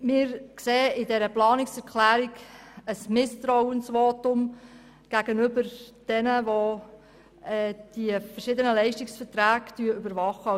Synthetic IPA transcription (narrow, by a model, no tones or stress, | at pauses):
mɪːɾkseːəɪdɛɾəplɑːnɪksɛɾkʰlæːɾiɡəsmɪst̪ɾɔwənsʋɔːtʊm | ɡ̥æɡ̥ənʏbəɾd̥ɛnəʋo | ɛːd̥iəfəɾʃɪdənəlɛɪʃtɪksfətɾæːɡ̥d̥yəøbəɾʋɑχːə